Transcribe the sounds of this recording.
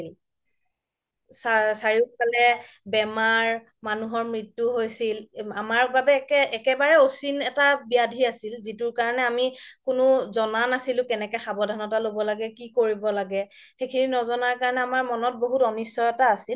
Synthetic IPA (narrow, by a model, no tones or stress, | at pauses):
l | sasaɹikalɛbɛmaɹ | manuɦɔɹmɹitːuɦojsilamaɹbabɛkɛɛkɛbaɹɛosinɛtabiadʱiasilzitʊɹkaɹɔnɛamikʊnʊzɔnanasilʊ̃kɛnɛkɛxabɔdʱanɔtalobɔlaɡɛkikoɹibɔlaɡɛ | xekʰininɔzɔnaɹkaɹɔnɛamaɹmɔnɔt̚boɦutɔnisːɔjɔtaːsil